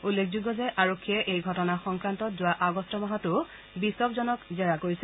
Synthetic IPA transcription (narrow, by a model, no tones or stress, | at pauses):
ulːekʰzuɡːɔzɛʔaɹokʰːiɛʔejɡʱɔtɔnaxɔŋkɹantɔtzʊwaʔaɡɔstɔmaɦatʊ | bisɔkzɔnɔkzɛɹakoɹisɛ